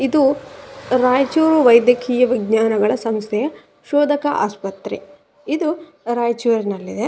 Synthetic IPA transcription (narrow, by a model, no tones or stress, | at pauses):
id̪u | ɾaːjt͡ʃuːɾuʋɐjd̪jɐkʰiːjɐʋiɡɲaːnɐɡɐɭɐsɐmst̪ʰɛjɐ | ʃɔːd̪ʱɐkɐʔa̰ːspɐt̪ɾi | id̪u | ɾaːjt͡ʃuːɾinɐlːid̪e